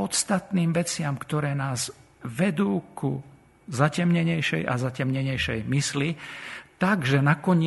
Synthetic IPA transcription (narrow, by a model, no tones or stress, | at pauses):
ɔt̪st̪at̪niːmʋɛt͡sɪamkt̪ɔɾɛːnaːz | ʋɛd̪uːku | zacɛmɲɛɲɛjʃɛ̰jʔa̰zacɛmɲɛɲɛjʃɛjmislit̪aɡʒɛnakɔɲ